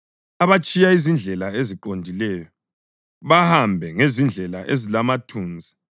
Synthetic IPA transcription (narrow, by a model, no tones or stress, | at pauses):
aβat͡ʃʼijaizind͡ɮʱɛlaeziǃondʱilɛːjɔ | βahambʱɛŋezind͡ɮʱɛlaʔezilamatʰuːnd͡zʱi